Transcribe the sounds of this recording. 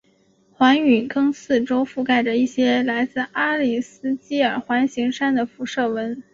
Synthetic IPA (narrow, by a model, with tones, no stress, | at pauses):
xwa˧˥ny˨˩kɤ˥ŋsɹ̩˥˩ʈ͡ʂo˥ʊfu˥˧ka˥˩ɪʈ͡ʂə˩i˥˩ɕjɛ˥la˧˥ɪt͡sɹ̩˥˩a˥li˥˩sɹ̩˥t͡ɕi˥ə˞˨˩xwa˧˥nɕi˧˥ŋʂa˥nd̪ə˨fu˧˥ʂɤ˥˩wə˧˥n